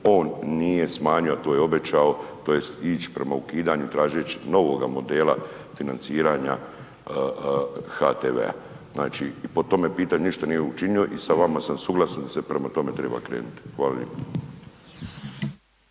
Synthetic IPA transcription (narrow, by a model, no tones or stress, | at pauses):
o̞ːnːije̞smaːɲuoat̪oːjeo̞be̞t͡ɕao̞t̪o̞je̞st̪iːt͡ɕi̥pɾe̞maukiːd̪aɲut̪ɾaːʒet͡ʃino̞ʋo̞ɡamo̞d̪eːla | finant̪siːɾaɲa̰ | xat̪eːʋe̞̰a̰ | zna̰ːt͡ʃiːpo̞t̪o̞mepiːt̪aɲuniʃt̪anijeut͡ʃinioʔisaʋamasamsuɡlasand̪ase̞pɾe̞mat̪o̞me̞t̪ɾe̞̰ːba̰kɾe̞̰ːnut̪i̥xʋaːlaʎḛp